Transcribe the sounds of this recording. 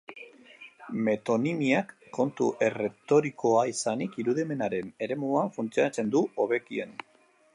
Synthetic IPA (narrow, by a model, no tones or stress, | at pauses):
me̞t̪o̞nimiakːo̞nt̪ṵʔe̞re̞t̪o̞ɾiko̞aisanikiɾuðime̞naɾe̞ne̞ɾe̞muaɱfunt͡sioat͡se̞nd̪uo̞βe̞kie̞̰n